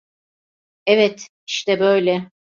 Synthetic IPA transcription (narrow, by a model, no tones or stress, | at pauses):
ɛvɛt̪ | iʃt̪ɛbø̞jlʲɛ